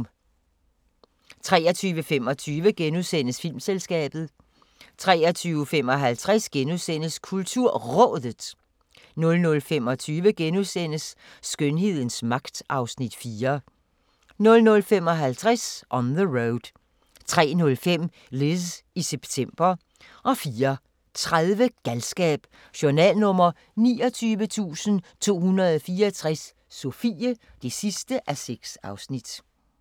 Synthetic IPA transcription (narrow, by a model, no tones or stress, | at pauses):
t͡sʰʁɛːɐt͡sʰyːʋəfemɒ̽t͡sʰyːʋəɡ̥enuðˠsen̰əsfil̰mselsɡ̥ɛ̰ːb̥ð̞̩ˠ | t͡sʰʁɛːɐt͡sʰyːʊfemɒ̽ɦælt͡sʰʁasɡ̥enusen̰əskʰult͡sʰuɐ̰ʁɔ̽ðˠð̥ˠ | nɔ̽lnɔ̽lfemɒ̽t͡sʰyːʋəɡ̥enusen̰əsː | ɡ̥ønɦe̝ð̰ˠn̩smɑ̈ɡ̥d̥ʔɑ̈ʊsnid̥fiːɐ | nɔ̽lnɔ̽lfem̰ɒ̽ɦælt͡sʰʁasʔɒ̽nðəʁoʊd̥ | t͡sʰʁɛ̰ːnɔ̽lfem̰ | leðˠsiseb̥t͡sʰem̰b̥ɐ | ʔɒ̽fiːɐ | t͡sʰʁaðˠʋəɡ̥ælsɡ̥ɛ̰ːb̥ | ɕoɐnɛ̰ːlnɔ̽m̰ɐ | nḭːɒ̽t͡sʰyːʋət͡sʰṵːsən̩t͡sʰo̝̰ːhunɐð̩ˠɒfiːɐt͡sʰʁasː | o̝fḭːə | d̥e̝sisd̥əʔæseɡ̥sɑ̈ʊsnid̥